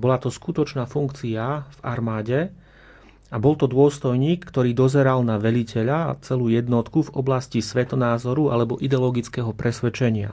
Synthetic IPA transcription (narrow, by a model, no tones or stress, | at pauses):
bɔlat̪ɔskut̪ɔt͡ʃnaːfuŋkt͡siava̰ɾmaːɟɛ | abɔlt̪ɔd̪ʊɔst̪ɔjɲiːkːt̪ɔɾiːd̪ɔzɛɾalnaʋɛʎicɛʎa̰t͡sɛluːjɛd̪nɔt̪kuvɔblascisʋɛt̪ɔnaːzɔɾuʔa̰lɛbɔʔid̪ɛɔlɔɡit͡skɛɦɔpɾɛsʋɛt͡ʃɛɲɪa̰